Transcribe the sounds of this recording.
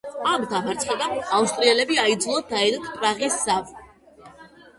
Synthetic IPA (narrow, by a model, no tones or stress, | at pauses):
amd̪amaɾt̪sʰʼχɛd̪aaust̪ʼɾiɛlɛbiaid̪zlˠad̪aɛd̪ɔt̪ʰpʼɾaʁisːav